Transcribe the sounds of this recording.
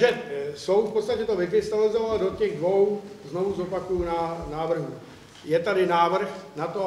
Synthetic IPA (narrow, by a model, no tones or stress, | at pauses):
ʒɛsowfpot̪st̪acɛt̪ovɪkɾɪst̪abɪlɪzovaldo̞cɛɣdvo̞wzno̞vuzo̞pakujunanaːvr̩ɦu | jɛt̪adɪnaːvr̩xnat̪o